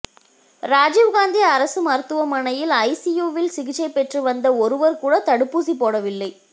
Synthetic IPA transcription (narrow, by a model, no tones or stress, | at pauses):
ɾaːd͡ʒiːʋɣaːnd̪iɐɾɐsɯmɐɾt̪ɯʋɐmɐɳɐjɪlɐɪsijoːʋɪlsɪɣɪt͡ʃːɐɪpɛʈrɯʋɐnd̪ɐɔɾɯʋɐɾkuːɽɐt̪ɐɽɯpːuːsipːoːɽɐʋɪlːɐɪ